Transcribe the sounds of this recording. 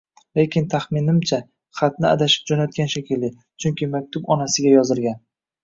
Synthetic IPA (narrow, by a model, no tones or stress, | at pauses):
le̞kʲɪnt̪ʰaχmɪnɪmt͡ʃʰa | χat̪nɪa̰d̪aʃɪ̥p̚d͡ʒɒnat̪̚ɡʲanʃakʲɪlːɪ | t͡ʃʰʊŋkʲɪmak̚ʲt̪ʰʊbɒnasɪɡʲajɒzɪɾɡʲan